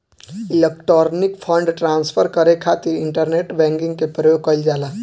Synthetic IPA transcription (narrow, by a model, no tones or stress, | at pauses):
ɪlekʈɾɔːɾnikpʰəɳɖʈɾaːnspʰəɾkəɾekʰat̪iɾɪɳʈəɾneʈbɛ̃ŋɡĩŋɡkepɾəjoɡ̚kəɪld͡ʒaːla